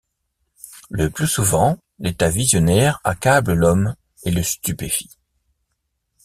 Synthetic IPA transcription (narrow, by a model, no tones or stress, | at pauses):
ləplysuvɑ̃ | let̪avizjɔnɛʁa̰kabləlɔm | eləst̪ypefi̥